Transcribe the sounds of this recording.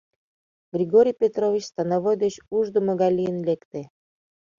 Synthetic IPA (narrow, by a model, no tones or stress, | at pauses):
ɡ̥rʲiɡoɾʲijpʲet̪rovʲit͡ɕst̪anaβojd̪et͡ɕuʒd̪ə̆moɡɑlʲijənlʲekt̪ĕ